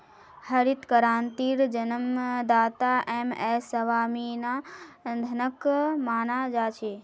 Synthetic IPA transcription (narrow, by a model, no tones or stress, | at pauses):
həɾit̪kəɾaːnt̪iːɾd͡ʒənəmd̪aːt̪aʔeːmɛːsəʋaːminad̪ʱɐnəkmaːnad͡ʒaːt͡ʃʰe